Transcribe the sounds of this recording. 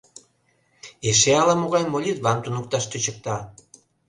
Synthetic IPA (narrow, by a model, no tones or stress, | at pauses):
eʃeɑlɑmoɣɑjmolʲit̪βɑnt̪unək̚t̪ɑʃt̪øt͡ɕək̚t̪ɑ